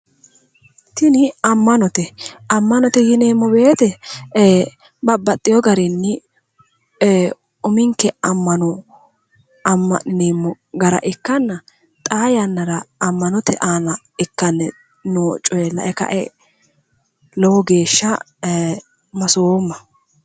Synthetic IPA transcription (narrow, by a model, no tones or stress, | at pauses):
t̪ɪnɪɐmːɐnɔt̪ɛɐmːɐnɔt̪ɛjɪneːmːɔbe̞ːt̪ɛ | bɐbːɐt̪ʼːɪjɔɡɐɾɪnːɪ | ʊmɪŋkːɛɐmːɐnɔ | ɐmːɐ̰neːmːɔ | ɡɐɾɐ̰ʔɪkːɐnːɐ | t̪ʼaːjɐnːɐɾɐːmːɐnɔt̪ʰɛʔaːnɐ | ɪkːɐnːɛ | noːt͡ʃʼːɔjɛlːɐ̰ʔɛkɐ̰ʔɛ̰ | lɔwɔɡe̞ːʃːɐ | mɐsomːɐ